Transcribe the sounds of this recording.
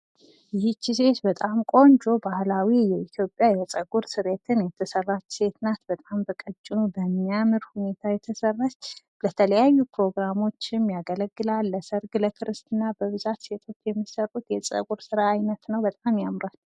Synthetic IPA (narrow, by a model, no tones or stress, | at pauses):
jɪht͡ʃːis̬e̞t̪bət̪ʼamkʼo̞nd͡ʒo̞bahlawijɛit̪ʰjo̞pʼjajɛt͡sʼəɡʼuɾsɨɾet̪ʰɨnjɛt̪ʰːəsərːat͡ʃse̞t̪ʰɨnat̪bət̪ʼambəkʼət͡ʃʼːɪnubəmːiamɨɾhune̞t̪ʰajɛt̪ʰəsərːəs | lət̪ʰələjajːupʰɾo̞ɡɾamo̞t͡ʃːɪmjaɡələɡːɨlalːəsəɾɡləkʰɨɾɨst̪ɨnːabəβɨzat̪se̞t̪ʰo̞t͡ʃːjɛmːisərːut̪jɛt͡sʼə̰ɡʼuɾsɨɾaːjnət̪nəwbət̪ʼamjamɾal